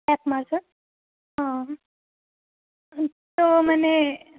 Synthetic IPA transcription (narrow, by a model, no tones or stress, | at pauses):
ɛpmaɽsə | ɦã | t̪oməne